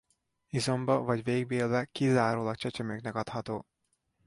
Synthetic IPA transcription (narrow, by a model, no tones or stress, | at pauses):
izo̞mbɒvɒɟveːɡbeːlvɛkizaːɾoːlɒk̚t͡ʃɛt͡ʃɛmøknɛkɒt̪hɒt̪oː